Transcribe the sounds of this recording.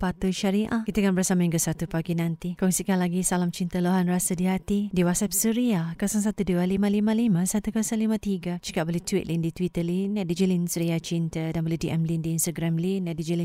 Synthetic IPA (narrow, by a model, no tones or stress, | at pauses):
pat̪uʃaɾiʔakit̪akanbərsamaiŋkəsat̪upaɡinãnt̪ikɔŋsikanlaɡisalamt͡ʃint̪əloɦanrasədiɦat̪idiwasap̚səɾiakasaŋs̬at̪udualimãlimalimãsat̪ukasaŋlimãt̪iɡad͡ʒikaʔbolɛht̪wit̪lindit̪wit̪əlinadid͡ʒəlinsəɾiat͡ʃint̪ədanbolɛdiʔɛmlindiːnst̪aɡɾamlinadid͡ʒəli